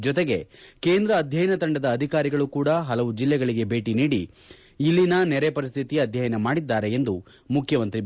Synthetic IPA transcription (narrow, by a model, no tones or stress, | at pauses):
d͡ʒɔt̪eɡe̞keːnd̪ɾɐːd̪ʱjɐjɐnɐt̪ɐɳɖɐd̪ɐːd̪ʱikaːɾiɡɐɭukuːɽɐɦɐlɐʋud͡ʒilːɛɡɐɭiɡe̞bʱe̞ːʈiniːɽi | ilːinɐnɛɾepɐɾist̪ʰit̪iɐd̪ʱjɐjɐnɐmaːɽid̪ːaːɾe̞ːnd̪u | mukʰjɐmɐnt̪ɾi